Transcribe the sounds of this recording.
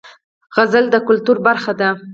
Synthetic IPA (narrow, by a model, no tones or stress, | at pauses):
ɣazəld̪əkʊlt̪uɾbaɾxad̪a